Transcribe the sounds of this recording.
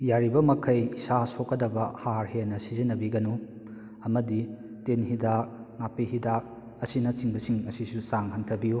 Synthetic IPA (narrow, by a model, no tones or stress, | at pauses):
jaɾibɐmɐkʰɐjisasokːɐdɐbɐhaɾhenɐsizinːɐbiɡɐnu | ɐmɐdi | tenɦidak̚ŋapihidak̚ | ɐsinɐt͡ʃiŋbɐsiŋɐsisut͡ʃaŋhɐntʰɐbiju